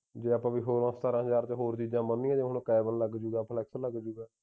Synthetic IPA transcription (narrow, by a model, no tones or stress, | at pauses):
d͡ʒeːəːpãːbiːɦoːɾãːst̪aːɾãːɦəd͡ʒaːɾt͡ʃɦoːɾt͡ʃiːd͡ʒãːmənːĩːãːd͡ʒeɦonːkɛːbəlːəɡd͡ʒuːɡaːpʰlɛːksələɡd͡ʒuːɡaː